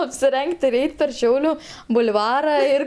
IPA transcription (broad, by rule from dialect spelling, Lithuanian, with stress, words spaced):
ɐpʲsʲɪˈrʲɛŋʲkʲtʲ ɪr ˈɛɪtʲ pʲɛr ˈʃʲɛʊlʲʊ bʊlʲˈʋɑːrɐ ɪr